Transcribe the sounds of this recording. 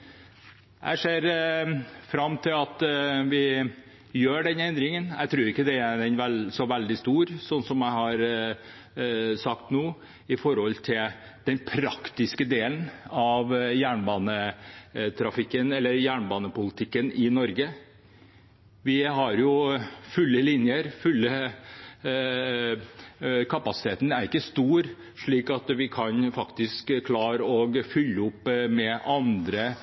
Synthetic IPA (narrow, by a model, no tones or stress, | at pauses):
ʔæ̰ɪʂeːɾ | fɾɑmːt̪ʰɪlɑt̪ʋɪ | jøːɖɛnɛnd̪ɾɪŋənæ̰ɪt̪ʰɾuːɾɪkːəd̪ɛæɛnʋɛlsɔʋæld̪ɪst̪uːɾsɔnsɔmjæɪhɑɾ | sɑkt̪nuː | ɪfɔɾhɔlt̪ʰɪl | d̪̥ɛnpʰɾɑkt̪ɪskəd̪eːlənɑʋjæːɳbɑːnə | t̪ʰɾɑfɪkːənɛlːəɾjæːɳbɑːnəpʊlɪt̪ʰɪkːənɪnɔɾɡə | ʋɪɦɑɾjʊfʉlːəlɪnjəɾfʉlːə | kʰɑpɑsɪ̥t̪ʰeːt̪n̩æɾɪkːəst̪uːɾ | ʂɭiːkɑt̪ʋɪkʰɑnfɑkt̪ɪskkʰːlɑːɾɔɡfʏlːəʊpːmɛʔɑnd̪ɾə